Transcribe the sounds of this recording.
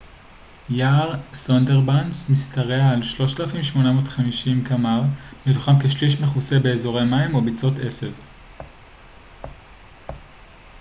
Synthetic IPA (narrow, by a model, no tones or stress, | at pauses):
jaʁsondeʁbansmistaʁe̞aalʃlo̞ʃtalafimʃmo̞namotχamiʃimkamaʁmitu̥χamkeʃliʃ̬meχuse̞be̞ːzo̞ʁe̞maimobit͡so̞te̞se̞v